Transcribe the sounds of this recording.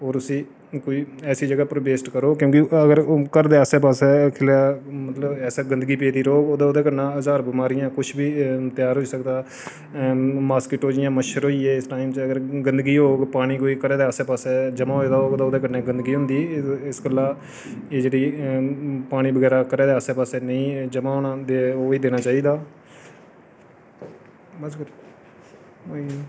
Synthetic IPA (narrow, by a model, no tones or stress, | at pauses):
oːɾʊsĩː | koːiːɛːsiːd͡ʒəɡaːpɾəbeːsʈkəɾoːkjõːkɪəɡəɾkəɾd̪eːaːsɛːpaːsɛːkʰɪlaːmət̪ləbɛːsaːɡənd̪əɡiːp̬eːd̪iːɾoːɡoːd̪aːʊd̪eːkəɾnãːəzaːɾbɪmaːɾɪjãːkʊt͡ʃʰbiːt̪ɪjaːɾɦoːiːsəkd̪aː | maːskɪʈoːd͡ʒɪjãːməʃəɾɦoːiːeːɪsʈaːɪmt͡ʃəəɡəɾɡənd̪əɡiːɦoːɡpaːɽ̃iːkoːiːkəɾeːd̪eːaːseːpaːseːd͡ʒəmaːɦoeːd̪aːoːɡd̪aːʊd̪eːkənẽːɡənd̪əɡiːɦʊ̃nd̪iːɪsɡəlːaː | eːd͡ʒeːɽiː | paːɽ̃iːbəɡɛːɾaːkəɾeːd̪eːaːseːpaːseːnəĩːd͡ʒəmãːɦoːnaːd̪eoːiːd̪eːnaːt͡ʃaːiːd̪aː | əs